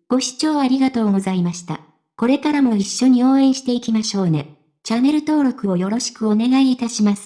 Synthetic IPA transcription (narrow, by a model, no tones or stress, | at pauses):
ɡ̥o̞ɕi̥t͡ɕo̞ːaɾʲiɡat̪o̞ːɡo̞zaimaɕi̥t̪a̰ | ko̞ɾe̞kaɾamo̞iɕːo̞ɲ̟io̞ːẽ̞ɰ̃ɕi̥t̪e̞ikʲimaɕo̞ːne̞ | t͡ɕane̞ɾɯ̟t̪o̞ːɾo̞kɯo̞jo̞ɾo̞ɕi̥kɯ̟o̞ne̞ɡaiːt̪aɕimasɨ̥